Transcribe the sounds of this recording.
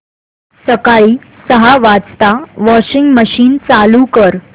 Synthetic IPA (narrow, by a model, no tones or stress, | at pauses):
səkaɭiː | səɦaʋat͡st̪aʋɔɕiŋɡməɕiːnt͡salukəɾ